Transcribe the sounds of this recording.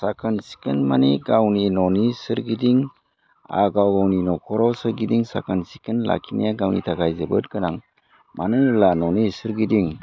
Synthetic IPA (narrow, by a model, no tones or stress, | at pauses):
sakʰansi̥kɯnmaniɡawninɔnisɯɾɡidiŋ | a̰ɡawɡawninɔkʰɔɾɔwsɯɾɡidiŋsa̰kʰansi̥kɯnla̰kʰinḭjaɡawnḭtʰaɡajzebɯt̚kɯnaŋ | mʔanɯlanɔnisɯɾɡidiŋ